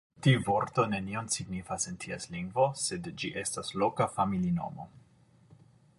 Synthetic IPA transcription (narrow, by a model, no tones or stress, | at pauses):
tiuvo̞ɾt̪o̞ne̞nio̞nsiɡnifasentʰiasliŋɡvo̞se̞dd͡ʒiʔe̞staslo̞kafamilino̞̰mo̰